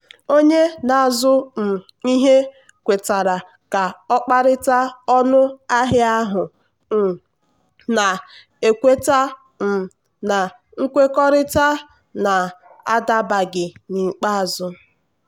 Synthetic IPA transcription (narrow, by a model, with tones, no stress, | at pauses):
o˦ɲe˦na˨zʊ˦m̩˨ | i˦ɦe˦ | kʷe˨ta˨ɾa˨ | ka˨ɔ˦k͡pa˦ɾɪ˦ta˦ɔ˦nʊ˦a˦ɦɪ˦a˦ɦʊ˨ | m̩˨ | na˨ | e˨kʷe˦ta˦ | m̩˨ | na˨ | ŋ̩˦kʷe˦kɔ˦ɾɪ˦ta˦ | na˨a˦da˦ba˨ɡɪ˨ni˨k͡pa˦a˨zʊ˦